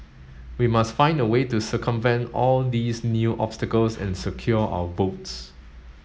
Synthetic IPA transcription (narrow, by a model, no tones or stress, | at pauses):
wimastfãɪ̃ndəwetusəkə̃mvɛ̃nɔld̪isnjuʔɔ̰pstəkəlsɛ̰̃nsəkʰjɔʔa̰wəvots